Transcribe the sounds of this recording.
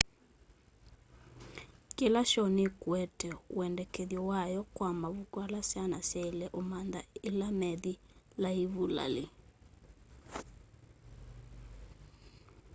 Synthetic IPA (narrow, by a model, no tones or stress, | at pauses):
kelaʃɔnɪkwɛtɛw̰ɛndɛkeðjɔwajɔkwamaβukwalasanasɛilɛʔomand̪a̰ɪlamɛði | laiβula̰lɪ